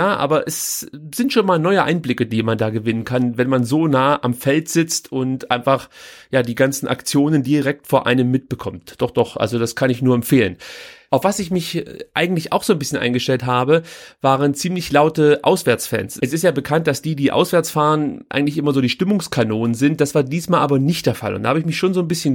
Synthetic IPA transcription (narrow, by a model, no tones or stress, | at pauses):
jaːʔa̰ːbɐʔɛsz̥ɪntʃoːnmaːlnɔʏəʔa̰ɪnblɪkədiːmandaːɡəvɪnənkʰanvɛnmanzoːnaːəʔamfɛltz̥ɪt͡stʰʊntʔa̰ɪ̃nfaχjaːdiːɡant͡sn̩ʔa̰kt͡sjoːnəndiʁɛk̚tfoːɐʔa̰ɪnəmːɪt̚b̥əkʰɔmtd̥ɔχd̥ɔχʔa̰lzodaskʰanɪçnuːɐɛmfeːlənʔaʊfv̥asɪçmɪçʔa̰ɪɡŋ̩tlɪça̰ʊxz̥oːnbɪsçənʔa̰ɪnɡəʃtɛltɦaːbəvaːʁənt͡siːmlɪçlaʊtəʔa̰ʊsv̥ɛɐt͡sfɛ̰nsɛsɪstjaːbəkʰant̚d̥asd̥iːdiːʔa̰ʊsv̥ɛɐt͡sfaːʁənʔa̰ɪɡŋ̩tlɪçʔɪmɐzoːdiːʃtɪmʊŋskʰanoːnənzɪnt̚d̥asv̥aːɐdiːsmaːlʔaːbɐnɪçtd̥eːɐfa̰lʔʊ̰ntdahaːbəɪçmɪçʃoːnzoːnbɪsçən